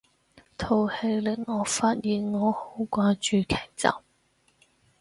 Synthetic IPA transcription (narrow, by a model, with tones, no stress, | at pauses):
t̪ʰo˨˩whe˨˧jlɪ˨˥ŋ̚ŋɔː˨˧faː˧t̚jiː˨nŋɔː˨˧ho˨˥wkʷaː˧t͡ʃyː˨˧kʰɛː˨˩k̚t͡sɐ̰˨w